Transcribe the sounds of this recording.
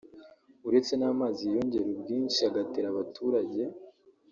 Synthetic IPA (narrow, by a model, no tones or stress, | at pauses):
uɾe̞t͡se̞naːmaːzijo̞ɲɟe̞ɾobɟiːnʃiaɡateɾaβatʰuːɾaɟe̞